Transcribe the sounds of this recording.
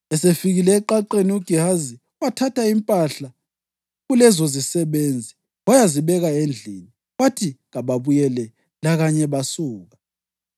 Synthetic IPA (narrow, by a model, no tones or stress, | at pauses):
ɛsefiɣilɛːǃaǃeniuɡ̥ʱiɦazi | watʰatʰaimpʼaɬa | ɣulɛzozisɛβend͡zʱi | wajaziβɛɣaend͡ɮʱḭni | watʰiɣaβaβujɛlɛ | laɣaɲɛβasuːɣa